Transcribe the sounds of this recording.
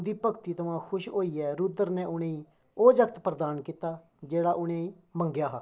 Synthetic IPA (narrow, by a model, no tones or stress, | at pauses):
d̪iːpəkt̪iːt̪əʋãːkʰʊʃɦoːiːɛːɾʊd̪əɾnɛ̃ːʔʊɽẽːĩː | oːd͡ʒəkʰt̪pɾəd̪aːnkiːt̪aː | d͡ʒeːɽaːʔʊɽẽːĩː | mə̃ŋɡjaːɦaː